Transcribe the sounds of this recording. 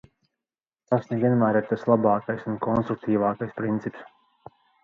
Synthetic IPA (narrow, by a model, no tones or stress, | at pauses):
t̪asnevʲiɛnmæːɾiɾt̪aslˠabɑːkajsunkɔnst̪ɾuk̚t̪iːvɑːkajspɾint̪sips